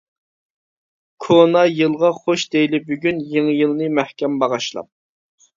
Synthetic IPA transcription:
kʰonɑjɨlˠʁɑχoʃd̪ejlɪbyɡʲynjeŋjɨlˠnɨmæhkʲɛmbɑʁɑʃlˠɑ̰p̚

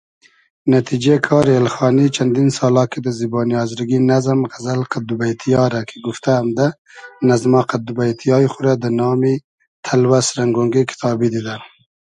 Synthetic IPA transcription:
nat̪ʰid͡ʒekʰɑːɾelxɑːnit͡ʃʰand̪insɑːlɑked̪əzibɑːnijɑːzɾɡinazmɣazalqad̪ubajt̪ʰijɑɾakʰeɡuft̪aamd̪a | nazmaqad̪ubajt̪ʰijɑːixʊɾad̪ənɑːmi | t̪ʰalwasɾaŋɡoŋɡekʰɪ̥t̪ʰɑːbid̪id̪a

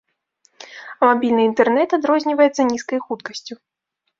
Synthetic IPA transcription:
mabʲilʲnɨint̪ɛrnɛt̪ad̪ɾɔzʲnʲivɐjɛt̪sːɐnʲiskɐjxut̪kɐsʲt͡sʲu

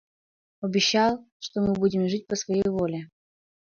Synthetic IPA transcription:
ɐbʲɪɕːalˠ | ʂt̪omɨbudʲɪmʐɨt̚ʲpəsvɐjejvolʲɪ

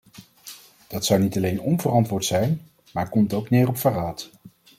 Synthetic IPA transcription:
d̥ɑtsʌwnitɑlejnɔnvərɑntʋʊːɹtsɛjn | maːɹkɔmtowknɪːrɔpfaraːt

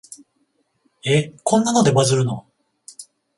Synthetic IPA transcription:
e̞kõ̞nːano̞d̪e̞bazɨɾɯ̟no

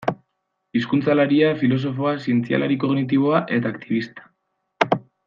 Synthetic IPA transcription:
iskunt͡salaɾiafilo̞s̬o̞fo̞asie̞nt͡sia̰lʔaɾiko̞ɣnit̪̬iβo̞aʔe̞t̪aːkt̪iβ̞ist̪ḁ

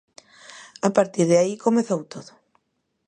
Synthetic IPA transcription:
apaɾt̪iɾðeaikomeθowt̪oðo

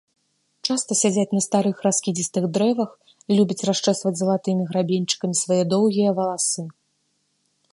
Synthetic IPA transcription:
t͡ʂast̪ɐsʲad͡zʲat͡sʲnɐst̪aɾɨxraskʲid͡zʲist̪ɨɣd̪ɾɛvɐx | lʲubʲɐt͡sʲraʂt͡ʂɛst̪vɐd͡zʲzɐlˠat̪ɨmʲiɣɾabʲenʲt͡ʂɨ̥kɐmʲisvajɛd̪ɔwɣʲijɐvɐlˠasɨ

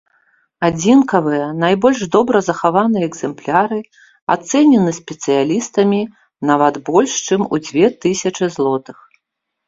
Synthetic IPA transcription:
ad͡zʲinkɐvɨjɐnajbɔlʲʐd̪ɔbɾɐzɐxavanɨjɛɛɡz̥ɛmplʲaɾɨ | a̰t̪sɛnʲɛnɨsʲpʲɛt̪sɨjalʲist̪ɐmʲi | navɐt̪bɔlʲʂt͡ʂɨmṵd͡zʲvʲɛt̪ɨsʲɐt͡ʂɨzlˠɔt̪ɨx

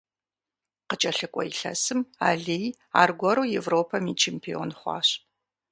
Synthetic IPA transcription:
qət͡ʃʼɐɬɨkʷʼɔjiɬɐ̰sɨmaːɮej | a̰ːrɡʷɔɾuːjɛvroːpʰɐmit͡ʃʰempʰio̰ːnχʷɑ̰ːɕ

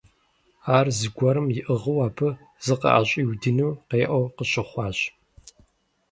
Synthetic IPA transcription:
aːrzɨɡʷɐɾɨmjɪʔɨʁəwaːpʰɨ | zɨqɐ̰ʔa̰ɕʼiːwdɨnuːqeːʔɐwqəɕɪχʷɑːɕʼ

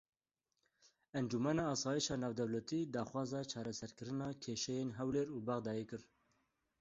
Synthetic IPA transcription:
ɛnd͡ʒumɛnɑːsɑːjiʃɑːnɑːvd̪ɛwlɛt̪iːd̪ɑːxwɑːzɑːt͡ʃʰɑːɾɛsɛɾkɨɾɨnɑːkʰeːʃɛjeːnɦɛwleːɾuːbɑɣd̪ɑːjeːkɨɾ

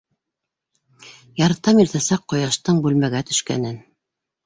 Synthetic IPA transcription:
jɑɾt̪ɑmiɾt̪æsæqːŏjɑʃt̪ɤɴbʉlmæɡæt̪ɵ̥̆ʃkæ̰nɘn

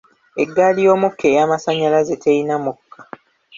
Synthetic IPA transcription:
eɡːalijo̞ːmukʰːe̞ːjaːmasaɲalazetʰeinamukʰːḁ

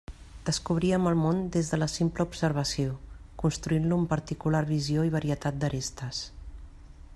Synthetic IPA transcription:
d̪̥əskuβ̞ɾiəməlˠmond̪ezðələsimpləubsəɾβ̞əsio | kunst̪ɾuinluːmpəɾt̪ikulaɾβizioiβ̞əɾiət̪at̪̚d̪əɾest̪əs

